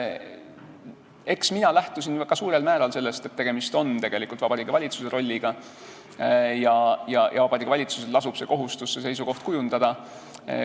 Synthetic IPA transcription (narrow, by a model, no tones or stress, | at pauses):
e̞ksminɑlæht̪usinkɑsuːɾe̞lmæːɾɑlse̞lːe̞st̪e̞t̪ːe̞ɡ̥e̞mist̪o̞nt̪e̞ɡ̥e̞likult̪vɑb̥ɑɾiːɡ̥evɑlʲit̪suse̞ɾo̞lʲːiɡ̥ɑ | jɑjɑjʔɑ̰vɑb̥ɑɾiːɡ̥ɑvɑlʲit̪su̥selɑsub̥se̞ko̞ɦust̪usːe̞s̬e̞jsuko̞ht̪̚kujund̪̥ɑd̪̥ɑ